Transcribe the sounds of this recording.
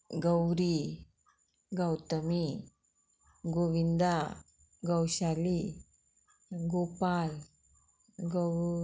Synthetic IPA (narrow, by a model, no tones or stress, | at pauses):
ɡəwɾi | ɡəwt̪əmi | ɡoʋind̪a | ɡəwɕali | ɡopal | ɡo